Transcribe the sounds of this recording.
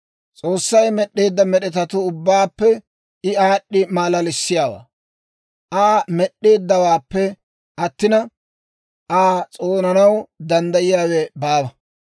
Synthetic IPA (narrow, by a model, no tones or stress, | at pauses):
t͡sʼoːsːɐjmɛɗːeːd̪ːɐmɛɗɛt̪ɐt̪ʊʊbːaːpːɛ | ɪaːɗːɪmaːlɐlɪsːɪjaːwa̰ː | ʔaːmɛɗːe̞ːd̪ːɐwaːpːɛ | ʔɐt̪ːɪnɐ | ʔaːt͡sʼoːnɐnɐwd̪ɐnd̪ɐjɪjaːwɛbaːbɐ